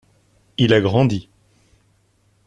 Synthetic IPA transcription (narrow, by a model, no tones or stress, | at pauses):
ilaɡʁɑ̃d̪i